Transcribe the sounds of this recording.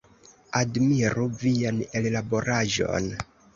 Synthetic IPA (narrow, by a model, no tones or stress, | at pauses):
admiɾuvianellaboɾaʒo̞̰n